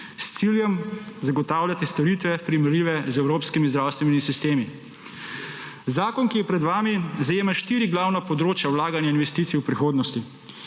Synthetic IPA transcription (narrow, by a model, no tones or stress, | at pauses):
st̪siːljɛmzaɡɔt̪aːwlʲjat̪ɛst̪ɔɾit̪ʋɛpɾimɛɾliːʋɛzɛwɾoːpskimizd̪ɾaːwst̪ʋɛnimisist̪eːmi | zaːkɔnkijɛpɾɛd̪ʋaːmizajeːmaʃt̪iːɾiɡlawnapɔd̪ɾoːt͡ʃjawlaːɡanjainʋɛst̪iːt̪sijupɾixoːd̪nɔst̪i